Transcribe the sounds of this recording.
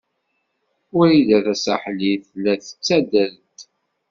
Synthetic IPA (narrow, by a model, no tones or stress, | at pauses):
ʊɾilæðæsa̰ħliθlːæθə̥t͡sːæd̪əɾt̪